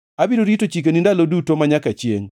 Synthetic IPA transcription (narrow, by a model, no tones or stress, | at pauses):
abidoɾitot͡ʃik̬enindalodutomaɲakat͡ʃjḛŋ